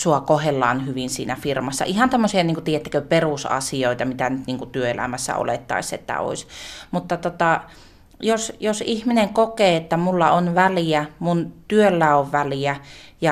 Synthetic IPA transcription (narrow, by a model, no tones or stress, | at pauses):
suɑkohelːɑːnhyʋinsḭːnæfirmɑsːɑ̰ʔihɑnt̪æmːosiɑniːŋkut̪ijet̪ːe̥køperusɑ̰sioit̪ɑmit̪ænyt̪niːŋkut̪yøelæ̰mæsːæ̰o̰let̪ːɑ̰isḛt̪ːæ̰o̰isʲmut̪ːɑt̪ot̪ɑ | josjosihmineŋkokeːet̪ːæmulːɑonʋæliæmunt̪yølːæoʋʋæliæjɑ